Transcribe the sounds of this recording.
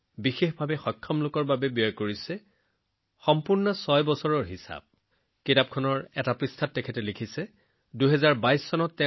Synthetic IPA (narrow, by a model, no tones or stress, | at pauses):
bixexbʱabɛxɔkʰːɔmlʊkɔɹbabɛbijɔjkoɹisɛ | xɔmpuɹnɔsɔjbɔsɔɹɔɹɦisa̰b̚ | kitap̚kʰɔnɔɹɛtapɹistʰatːɛkʰɛtɛlikʰisɛ | duɦɛzaɹbajsːɔnɔtːɛ